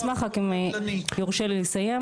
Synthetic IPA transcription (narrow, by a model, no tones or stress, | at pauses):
smaχakimjoʁʃelisaje